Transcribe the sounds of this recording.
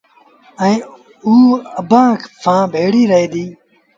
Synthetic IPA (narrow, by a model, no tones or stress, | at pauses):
ə̃ĩː | uːəbãːkʰsʰãːbʱeːɽiːɾəɦeːd̪iː